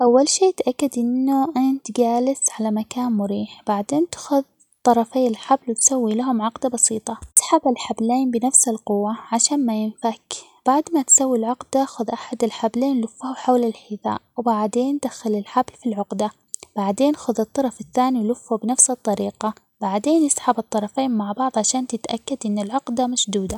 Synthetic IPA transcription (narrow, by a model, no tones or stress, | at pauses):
ʔawːalʃeːt̪ʔakːad̪ʔɪnːʊʔɪnt̪ɡaːlɪsʕalamakaːnmʊɾiːħb̥aʕd̪eːnt̪ḁxʊð | t̪ˤːɑɾˤɑfeːɪlħablwɪt̪sawːilaɦʊmʕɑqd̪abɑsiːt̪ˤɑsḁħabalħableːnbɪnafsɪlqʊwːaʕaʃaːnmajɪnfakb̥aʕd̪mat̪sawːilʕʊqd̪axʊðʔaħad̪ɪlħableːnlʊfːahʊħawlɪlħɪθa̰ːʔwbaʕd̪eːnd̪axalɪlħablfilʕʊqd̪a | b̥aʕd̪eːnʔxʊðɨt̪ˤːɑɾˤɑfɪθːaːniwlʊfːubnafsɨt̪ˤːɑɾiːqɑ | b̥aʕd̪eːnjɪsħabɨt̪ˤːɑɾˤɑfeːnmaʕbɑʕðˤʕaʃaːnt̪ɪt̪ʔakːad̪ʔɪnːɪlʕʊqd̪amaʃd̪uːd̪a